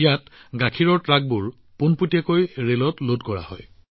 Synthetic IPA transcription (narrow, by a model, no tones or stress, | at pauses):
jatɡakʰiɹɔɹtɹak̚bʊɹ | punputiakojɹelɔtlodkɔɹa̰hɔ̰j